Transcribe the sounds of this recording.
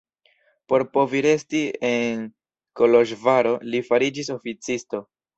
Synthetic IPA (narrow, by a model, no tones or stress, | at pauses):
po̞ɾpo̞viɾe̞stie̞n | ko̞lo̞ʃvaɾo̞lifaɾid͡ʒis̬o̞fit͡sisto̞